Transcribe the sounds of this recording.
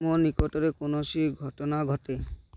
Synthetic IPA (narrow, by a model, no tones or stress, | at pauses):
monikɔʈɔɾekonosiɡʱɔʈɔnaɡʱɔʈe